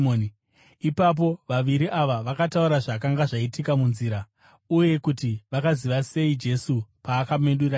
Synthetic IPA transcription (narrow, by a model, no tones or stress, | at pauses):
oːn | ipap̬o̞ʋaʋiɾiʔaʋaʋakatauɾaʐakaŋɡaʐaitikamunziːɾa | uje̞kutiʋakaziʋase̞id͡ʒe̞supaːkamenɗura